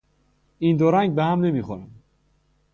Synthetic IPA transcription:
ind̪oɾæŋɡ̚behæmnemiːxoɾæm

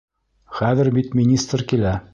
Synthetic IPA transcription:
χæðɘɾbit̪mʲinʲist̪rkilæ

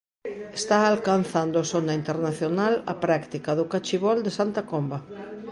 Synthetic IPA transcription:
est̪aːlkanθand̪oasonaint̪eɾnaθjonalɐ̰pɾakt̪ikaðʊkat͡ʃiβ̞ɔld̪esant̪akomba

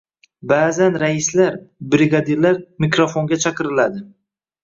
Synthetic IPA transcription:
bazanɾaɪslaɾbɾɪɡad̪iɾlaɾmɪkɾofoŋɡʲat͡ʃʰɑqɨɾɪlad̪ɪ

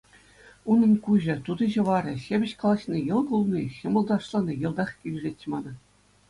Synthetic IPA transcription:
unɤ̆nkuʑɘ̆t̪ud̪ɤ̆ʑɤ̆ʋɑɾʲɤ̆ɕebʲɘ̆ɕkɑlˠɑɕnʲejɤ̆lˠkulˠnʲiɕɤ̆mɤ̆lˠd̪ɑʂlˠɑnʲɤjɤ̆lˠd̪ɑχkʲilʲzʲet̆ʲːmɑnɤ̆

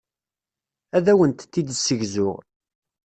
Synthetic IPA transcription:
æðæwənt̪t̪ːid̪sːəʝzʊʁ

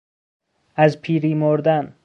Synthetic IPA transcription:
æzpʰiːɾimoɾd̪æn

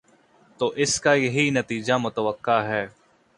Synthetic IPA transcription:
t̪oːʔɪskajɐɦinɐt̪iːd͡ʒamʊt̪əʋəqːaɦɛː

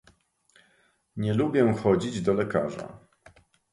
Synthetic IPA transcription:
ɲɛlubʲjɛxɔd͡ʑid͡ʑd̪ɔlɛka̰ʐa̰

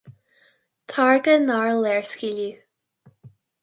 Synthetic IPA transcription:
tʰaɹɡənaɹlɛɹskili

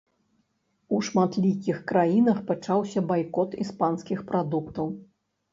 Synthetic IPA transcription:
uʂmat̪lʲikʲixkɾajinɐxpat͡ʂawsʲɐbajkɔt̪ispanskʲixpɾad̪ukt̪ɐw

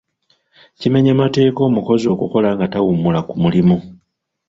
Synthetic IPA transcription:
cime̞ɲamate̞ːko̞ːmuko̞zo̞ːkuko̞laŋɡatawumulakumulimu

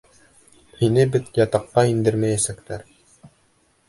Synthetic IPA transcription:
hinɘbɘt̪jɑt̪ɑqːɑind̪ɘɾmæjæsæk̚t̪æɾ

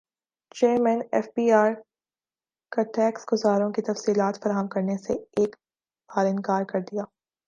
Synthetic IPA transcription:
t͡ʃeːɾmɛ̃nɛ̰ːfbiːaːɾ | kaʈɛːksɡʊzaːɾõkit̪ɐfsiːlaːt̪fɐɾaːɦəmkɐɾneseeːk | baːɾɪ̃nkaːɾkɐɾd̪ijaː

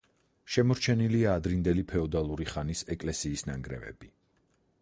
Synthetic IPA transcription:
ʃɛmɔɾt͡ʃʰɛniliaːd̪ɾind̪ɛlipʰɛɔd̪alˠuɾiχanisɛkʼlɛsiːsnaŋɡɾɛ̰vɛ̰bi

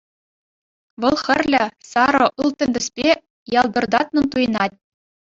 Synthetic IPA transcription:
ʋɤ̆lˠxʲɘ̆rʲlʲɘ̆sɑɾɤ̆ʔɯlˠt̪ʲɘ̆nʲd̪ʲɘ̆sʲpʲe | jɑlˠd̪ɤ̆rd̪ɑt̪nɤ̆nt̪ujɤ̆nɑtʲ

